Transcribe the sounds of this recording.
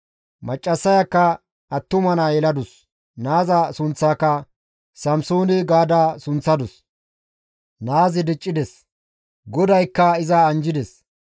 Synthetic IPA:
mɐt͡ʃʼːɐsːɐjɐkːɐ | ɐt̪ːʊmɐnɐjɛlɐd̪ʊs | naːzɐsʊnt͡sːaːkːɐ | sɐmsoːnɪɡaːd̪aːsʊnt͡sːɐd̪ʊs | naːzɪd̪ɪt͡ʃʼːɪd̪ɛs | ɡɔd̪ɐjkːɐɪzɐːnd͡ʒɪd̪ɛs

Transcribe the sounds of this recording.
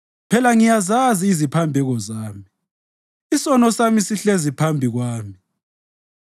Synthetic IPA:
pʰɛlaŋijazaziːzipʰambʱɛɣɔzaːmi | isɔnɔsamisiɬezipʰambʱiɣwaːmi

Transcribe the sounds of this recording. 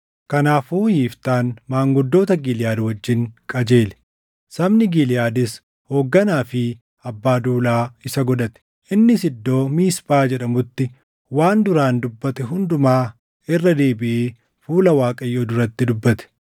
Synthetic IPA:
kɐnaːfuːjiːft̪aːnmaːŋɡʊd̪ːo̞ːt̪ɐɡiljaːd̪wɐd͡ʒːɪŋkʼɐd͡ʒe̞ːlɛ̥ | sɐmnɪɡilɪjaːd̪ɪs | ho̞ːɡːɐnaːfɪ | ɐbːaːd̪uːlaːɪsɐɡɔᶑɐt̪ɛ̥ | ʔɪnːɪsɪd̪ːo̞ːmiːsbaːd͡ʒɛᶑɐmʊt̪ːɪ | waːnd̪ʊɾaːnd̪ʊbːɐt̪ɛɦʊnd̪ʊmaː | ɪrːɐd̪e̞ːbɪʔeː | fuːlɐwaːkʼɐjːoːd̪ʊɾɐt̪ːɪd̪ʊbːɐt̪ɛ̥

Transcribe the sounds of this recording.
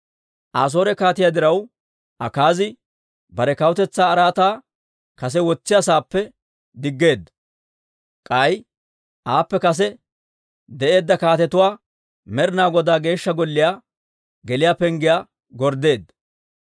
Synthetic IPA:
ʔaːs̬o̞ːɾɛkaːt̪ɪjaːd̪ɪɾɐw | ʔɐkaːzɪ | bɐɾɛkɐwt̪ɛt͡sːaːɾaːt̪aː | kɐs̬ɛwɔt͡sːɪjasaːpːɛ | d̪ɪɡːe̞ːd̪ːɐ | kʼɐj | ʔaːpːɛkɐs̬ɛ | d̪ɛʔe̞ːd̪ːɐkaːt̪ɛt̪ʊwaː | mɛɾnaːɡɔd̪aːɡe̞ːʃːɐɡɔlːɪjaː | ɡɛlɪjaːpɛŋɡɪjaː | ɡɔɾd̪e̞ːd̪ːɐ

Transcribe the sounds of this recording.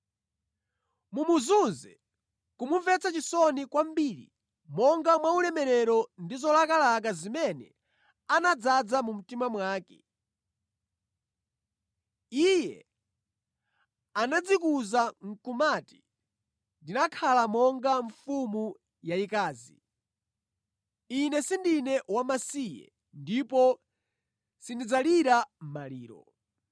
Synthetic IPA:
mumuzunzɛ | kumuɱvɛt͡sʰat͡ʃisɔnikwam̩biɾḭ | mɔŋɡamwaulɛmɛɾɛɾɔndizɔlakalak̬azimɛnɛ̰ | anad͡zad͡zamum̩timamwaːkɛ̥̰ | ijɛ | anad͡zikuzaŋ̩kumati̥ | ndinakʰalamɔŋɡaɱfumu | jaikaːzi | inɛsindinɛwamasijɛ̰ | ndipɔ | sindid͡zaliɾam̩malḭːɾɔ̰

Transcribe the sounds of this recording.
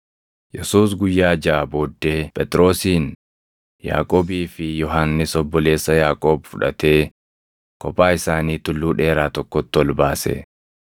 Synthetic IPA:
jɛsuːs̬ɡʊjːaːd͡ʒaːbo̞ːd̪ːe̞ːpʼɛt̪ʼɾo̞ːsiːn | ja̰ːkʼoːbiːfɪjɔɦanːɪsɔbːɔle̞ːsːɐjaːkʼo̞ːbfʊᶑɐ̰t̪e̞ː | kɔpaːɪsaːniːt̪ʊlːuːᶑe̞ːɾaːt̪ɔkːɔt̪ːɔlbaːsḛ

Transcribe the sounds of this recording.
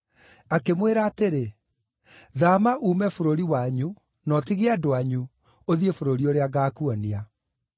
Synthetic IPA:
akemweɾaːteɾe | ðamaʔuːmɛfoɾoɾiwaɲu | nɔtiɣeadoaɲu | oðiefoɾoɾioɾeaɣaːkuɔnia

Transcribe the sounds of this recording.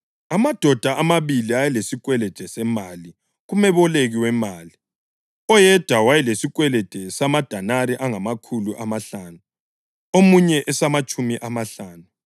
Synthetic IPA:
amad̥ʱɔd̥ʱaʔamaβiliajɛlesik̬wɛlɛd̥ʱɛsɛmali | ɣumɛβɔleɣiwɛmaːli | ɔjɛd̥ʱawajɛlesikwɛlɛ̥d̥ʱɛsamad̥ʱanaɾiʔaŋamakʰuluʔamaɬanu | omuɲɛʔɛsamat͡ʃʼumiʔamaɬaːnu

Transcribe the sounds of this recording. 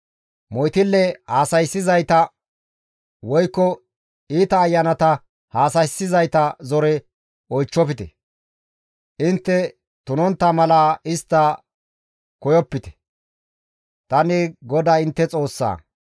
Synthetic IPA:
mɔjt̪ɪlːɛhaːsɐjsːɪzɐjt̪ɐ | wɔjkːɔ | iːt̪ɐːjːɐnɐt̪ɐ | haːsɐjsːɪzɐjt̪ɐzɔɾɛ | ɔjt͡ʃːɔpɪt̪ɛ̰ | ʔɪnt̪ːɛ | t̪ʊnɔnt̪ːɐmɐlaːɪst̪ːɐ | kɔjɔpːɪt̪ɛ̥ | t̪ɐnɪɡɔd̪aːɪnt̪ːɛt͡sʼo̞ːsːa̰ː

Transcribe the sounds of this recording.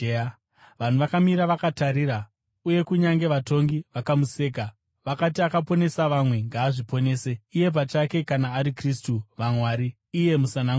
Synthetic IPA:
ʋan̤uʋakamiɾaʋakataɾiɾa | uje̞kuɲaŋɡe̞ʋato̞ŋɡiʋakamuse̞ːka | ʋakat̬iakapo̞ne̞saʋamwe̞ŋɡaːʐipo̞ne̞ːse̞ije̞p̬at͡ʃake̞kanaːɾikristuʋamwaːɾiː | je̞musanaŋ

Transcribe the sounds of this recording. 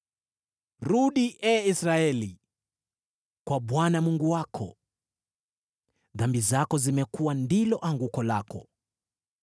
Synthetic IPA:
ɾuɗiʔɛisɾaɛli | kwaɓwanamuŋɡuwakʰɔ̰ | ðambizakɔzimɛkuwandilɔʔaŋɡukɔla̰kɔ

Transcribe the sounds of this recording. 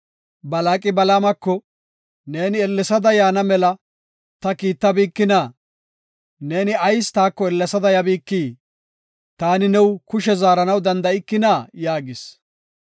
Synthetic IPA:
bɐlaːkʼɪbɐlaːmɐkːɔ | ne̞ːnɪɛlːɛsɐd̪ɐjaːnɐmɛlɐ | t̪ɐkiːt̪ːɐbiːkːɪnaː | ne̞ːnɪɐjst̪aːkːɔɛlːɛsɐd̪ɐjɐbiːkːiː | t̪aːnɪnɛwkʊʃɛzaːɾɐnɐwd̪ɐnd̪ɐɪkːɪnaːjaːɡɪs

